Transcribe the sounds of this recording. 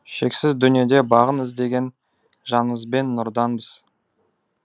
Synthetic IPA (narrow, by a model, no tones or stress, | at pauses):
ʃe̞ksɪzd̪ʏnije̞d̪e̞bɑʁənɪzd̪e̞ɡʲe̞n | ʒɑnəzbe̞nːʊɾd̪ɑnbəz̥